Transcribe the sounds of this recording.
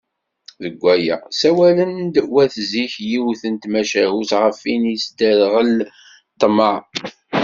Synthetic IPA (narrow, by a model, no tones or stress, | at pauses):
ðəɡʷːæjæ̰sæwælənd̪wæθziçjiwθənt̪mæʃæɦusʁəfinisd̪æðʁəl | t̪ˤːməʕ